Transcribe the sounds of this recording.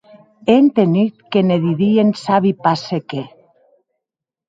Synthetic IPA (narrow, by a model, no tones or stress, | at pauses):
ent̪enyt̪keneðiðiensaβipaseke